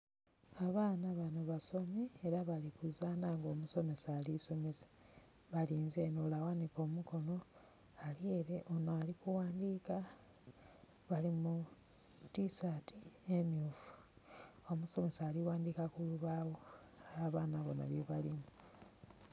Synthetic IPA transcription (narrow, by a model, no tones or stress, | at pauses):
aβaːnaβanoβaso̞meeɾaβalikuzaːnaŋɡo̞ːmuso̞me̞saːliso̞me̞sḁ | βaliːnze̞nolawaniko̞ːmuko̞no̞ | alie̞ɾe̞ʔonoalikuwaːndiːka | βalimu | tisatiemiufu | omuso̞me̞saːliwaːndikakuluβawo | aβaːnaβo̞na̰βjeβalimu